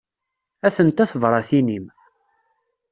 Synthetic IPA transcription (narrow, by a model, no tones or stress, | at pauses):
æθənt̪æθəvɾˤɑθinim